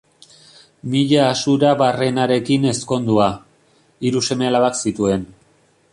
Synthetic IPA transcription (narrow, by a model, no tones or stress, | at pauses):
miʎaːsuɾaβare̞naɾe̞kine̞sko̞nd̪ua | iɾuse̞me̞alaβaksit̪ue̞n